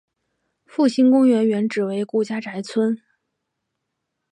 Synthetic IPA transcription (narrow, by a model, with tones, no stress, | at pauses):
fu˥˩ɕi˥nkʊ˥ŋɥɛ˧˥nɥɛ˧˥nʈ͡ʂɻ̩˨˩we˧˥ɪku˥˩t͡ɕja˥ʈ͡ʂa˧˥ɪt͡sʰwə˥n